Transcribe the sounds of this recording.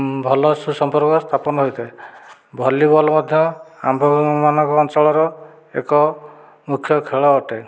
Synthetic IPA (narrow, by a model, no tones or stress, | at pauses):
bʱɔlɔsusɔmpɔɾkɔst̪ʰapɔnɔɦojt̪ʰabʱɔlibɔlɔmɔd̪ʱjɔa̰mbʱɔmanɔŋkɔːnt͡ʃɔɭɔɾɔ | ḛkɔ | mukʰjɔkʰeɭɔːʈe